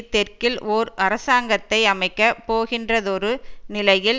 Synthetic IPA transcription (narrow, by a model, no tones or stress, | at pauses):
t̪ːɛrkɪlɔːɾɐɾɐsaːŋɡɐt̪ːɐɪɐmɐɪkːɐpoːɣɪndrɐðɔɾɯnɪlɐjɪl